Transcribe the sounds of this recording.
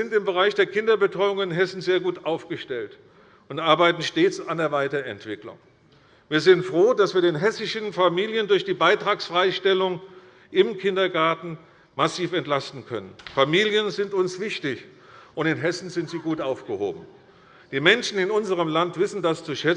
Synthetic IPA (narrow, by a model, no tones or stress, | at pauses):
zɪntɪmbəʁ̞aɪçd̥eːɐkʰɪndɐbətʁ̥ɔʏʊŋɪnɦɛsn̩zeːɐɡuːtʔaʊfɡ̥əʃtɛlt | ʊntʔaɐbaɪtn̩ʃteːt͡sandeːɐvaɪtɐɛ̰ntv̥ɪklʊ̰ŋ | viːɐzɪntfʁ̥oːdasv̥iːɐdeːnɦɛsɪʃnfamiːljəndʊɐçd̥iːbaɪtʁ̥aːksfʁ̥aɪʃtɛlʊŋ | ʔɪmkʰɪndɐɡaɐtn̩ | masiːfɛntlastn̩kʰœ̰nənfamiːljənzɪntʊnsv̥ɪçtɪç | ʔʊntɪnɦɛsn̩zɪntz̥iːɡuːtʔaʊfɡ̥əho̰ːbm̩ | d̥iːmɛnʃn̩ɪnʊnzəʁ̞əmlantv̥ɪsn̩dast͡suʃɛt͡s